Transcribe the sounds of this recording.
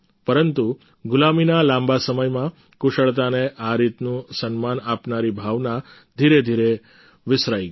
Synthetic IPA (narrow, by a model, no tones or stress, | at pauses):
pəɾənt̪u | ɡʊlaminalãmbasəməjmã | kʊʃəɭt̪aneʔaɾit̪nũsənmanapnaɾibʱaʋna | d̪ʱiɾed̪ʱiɾe | ʋɪsɾajɡ